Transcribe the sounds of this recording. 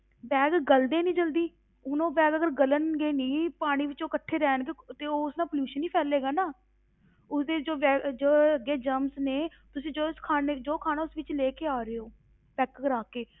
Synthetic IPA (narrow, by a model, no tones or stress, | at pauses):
bɛːɡɡəld̪eːnĩːd͡ʒəld̪iː | ʊnõːbɛːɡəɡəɾɡələnɡeːnĩːpaːɽ̃iːʋɪt͡ʃoːkəʈʰːeːɾɛːnkeːt̪eːoːʊsnãːpəljuːʃənĩːpʰɛːleːɡaːnaː | ʊsd̪eːd͡ʒoːʋɛːd͡ʒoːəɡːeːd͡ʒəmsneː | t̪ʊsĩːd͡ʒoːskʰaːned͡ʒoːkʰaːnaːʊsʋɪt͡ʃleːkeːaːɾeoː | pɛːkəɡəɾaːkeː